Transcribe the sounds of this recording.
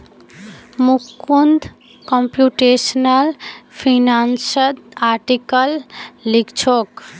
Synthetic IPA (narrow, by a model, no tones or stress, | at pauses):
mukund̪ | kɔmpjuʈesnəlpʰinansəd̪aɾʈikəlːikt͡ʃʰok